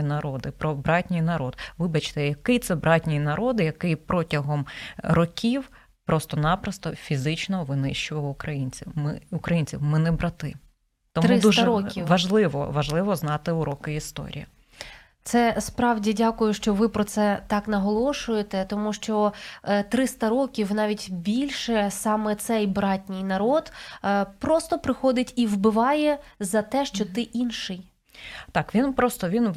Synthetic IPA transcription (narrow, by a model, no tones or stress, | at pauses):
nɐɾɔd̪ɪpɾɔbɾɑtʲnʲijnɐɾɔd̪ʋɪbɐt͡ʃt̪ɛjɐkɪjt̪sɛbɾɑtʲnʲijnɐɾʔɔd̪ɪjɐkɪjpɾɔtʲɐɦɔmɾɔkʲʰiw | pɾɔst̪ɔnɑpɾɐst̪ɔfʲizɪt͡ʃnɔʋɪnɪʃt͡ʃʊʋɐwʊkɾɐjinʲt͡sʲiwmɪʊkɾɐjinʲt͡sʲiwmɪnɛbɾɐt̪ɪ | t̪ɔmɾɪsd̪uʒɾɔkʲiʋɐʒlˠɪʋɔ̰ʋɐʒlˠɪʋɔznɑt̪ɪʊɾɔkɪist̪ɔ̰ɾʲḭjɐ | t̪sɛspɾɑwdʲidʲɑkʊjʊʃt͡ʃɔʋɪpɾɔt̪sɛt̪ɑknɐɦɔlˠɔʃʊjet̪ɛt̪ɔmuʃt͡ʃɔt̪ɾɪst̪ɐɾɔkʲiwnɑʋʲitʲbʲilʲʃɛsɑmɛt̪sɛjbɾɑtʲnʲɪjnɐɾɔd̪pɾɔst̪ɔpɾɪxɔd̪ɪtʲiwbɪʋɑjɛzɐt̪ɛʃt͡ʃɔt̪ɪʔinʃɪj | t̪ɑkʋʲinpɾɔst̪ɔʋʲin